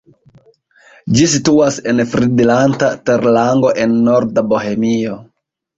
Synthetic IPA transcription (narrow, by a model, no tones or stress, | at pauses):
d͡ʒisituase̞nfɾidilantateɾlaŋɡo̞ʔenːo̞ɾdabo̞ɦemio